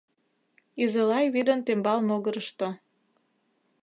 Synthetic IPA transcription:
izelɑjβid̪ə̆nt̪embɑlmoɣəɾəʃt̪o

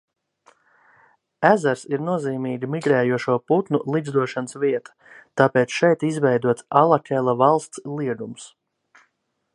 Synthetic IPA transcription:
æzaɾsiɾnuɔziːmiːɡimiɡɾɛːjuɔʃuɔput̪nulˠid̪zd̪uɔʃanəsviɛt̪ḁ | t̪ɑːpeːt̪sʃɛjt̪izvɛjd̪uɔt̪salˠakʲɛlˠavalˠst̪slˠiɛɡ̪ums

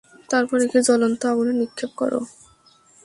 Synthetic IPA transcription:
t̪aɾpɔɾekid͡ʑɔlont̪oaɡunenikʰːep̚kɔ̰ɾo̰

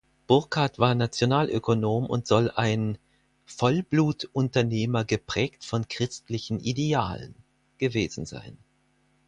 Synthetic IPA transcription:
b̥ʊɐkʰatv̥aːɐnat͡sjonaːlʔø̰konoːmʊ̰ntz̥ɔlʔaɪn | fɔlbluːtʔʊntɐneːmɐɡəpʁ̥ɛːktfɔnkʁ̥ɪstlɪçn̩ʔidea̰ːlə̰n | ɡ̥əveːzn̩za̰ɪn

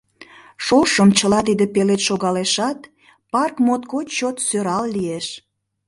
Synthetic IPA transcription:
ʃoʃəmt͡ɕəlɑt̪id̪epelet̪ʃoɣɑleʃɑt̪ | pɑrkmot̪kot͡ɕot̪søɾɑlːieʃ

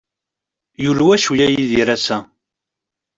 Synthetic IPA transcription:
julwæʃwjæjiðiɾæsæ

